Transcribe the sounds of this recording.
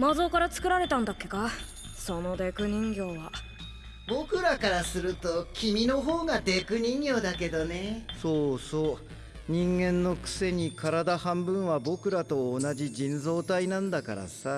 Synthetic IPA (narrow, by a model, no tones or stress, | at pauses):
mazo̞ːkaɾat͡sɨ̥kɯ̟ɾaɾe̞t̪ãnd̪akːe̞̥ka | so̞no̞d̪e̞kɯ̟ɲ̟ĩŋɡʲo̞ːβa | bo̞kɯ̟ɾakaɾasɨɾɯ̟t̪o̞kʲimʲino̞ɦoːɡad̪e̞kɯ̟ɲ̟ĩŋɡʲo̞ːd̪ake̞d̪o̞neso̞ːso̞ː | ɲ̟ĩŋɡẽ̞nːo̞kɯ̟̥se̞ɲ̟ikʰaɾad̪ahãmbɯ̟̃ɰ̃βabo̞kɯ̟ɾat̪o̞ːnaʑid͡ʑĩnzo̞ːt̪ainãnd̪aka̰ɾa̰sa